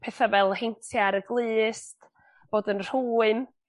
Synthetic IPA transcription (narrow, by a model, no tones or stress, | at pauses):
pʰeːθavɛlˠhejntʰjaɾəɡlˠɨːst | b̥oːdənr̥uːɨn